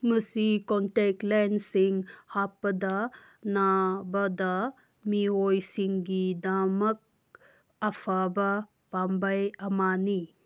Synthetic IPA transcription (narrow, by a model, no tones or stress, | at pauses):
məsikɔnʈek̚ʈlansiŋhapːɐd̪a | nabɐd̪a | miɦojsiŋɡid̪amɐk̚ | ɐpʰabɐ | pambɐjɐmani